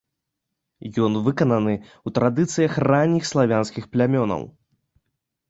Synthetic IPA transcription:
jɔnvɨkɐnɐnɨut̪ɾad̪ɨt̪sɨjɐxranʲːixslˠavʲanskʲixplʲamʲɔnɐ̰w

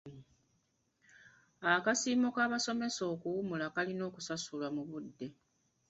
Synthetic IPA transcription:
akasiːmokaːβaso̞me̞so̞ːkuwumulakalino̞ːkusasulamuβudːe̞

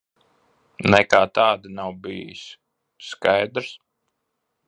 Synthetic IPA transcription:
nɛkaːt̪aːd̪inawbijḭs | skajd̪ɾs

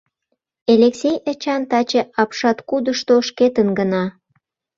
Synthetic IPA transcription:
eleksʲejet͡ɕɑnt̪ɑt͡ɕeʔɑpʃɑt̪kud̪əʃt̪oʃket̪ənɡənɑ

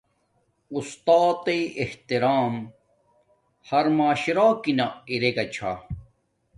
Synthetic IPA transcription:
ust̪aːt̪eʔeht̪iɾaːm | hɐɾmaːɕiɾaːkinaiɾeɡɐt͡ɕʰa̰

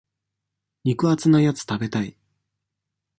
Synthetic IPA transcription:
ɲ̟ʲikɯ̟at͡sɨnajat͡sɨ̥t̪abe̞t̪ai

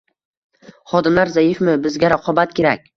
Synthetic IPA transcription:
χɒd̪ɪmlaɾzajɪfmɪbɪzɡʲaɾaqʰɒbat̪̚kʲʰe̞ɾakʲ

